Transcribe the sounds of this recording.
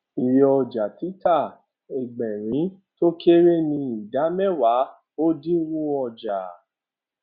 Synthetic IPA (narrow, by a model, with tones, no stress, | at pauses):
i˨ɾe˨ɔ˧d͡ʒa˨ti˨˦ta˦˨ | e˨ɡ͡bɛ̃˨ɾĩ˨˦ | to˦ke˦ɾe˦nĩ˧i˨da˨˦mɛ˦˨wa˨˦ | o˦dĩ˦wũ˦ɔ˧d͡ʒa˨